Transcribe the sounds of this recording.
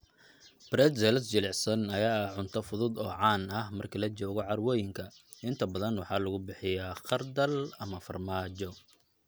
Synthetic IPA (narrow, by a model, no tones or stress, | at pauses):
b̥ɾɛd̪sɛlsd͡ʒɪlɪʕsɐnɐjaːʕʊnt̪ʰɐfʊðʊd̪ɔ̰ːʕɑːnɐhmɐrkʰɐlɐt͡ʃɔːɣɔʕɑrwɔjɪŋkʰɐ | ʔɪnt̪ʰɐbɐðɐnwɑħɑːlɐɣʊbɪħɪjaːqɑrd̪ɐlɐmɐfɐ̰rmaːt͡ʃɔ